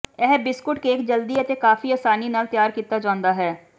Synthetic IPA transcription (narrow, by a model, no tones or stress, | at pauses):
ɛːbɪskʊʈkeeːkd͡ʒəld̪iət̪ekaːfʰiːaːsaːninaːlt̪jaːɾkiːt̪aːd͡ʒãːʊnd̪aːɦɛː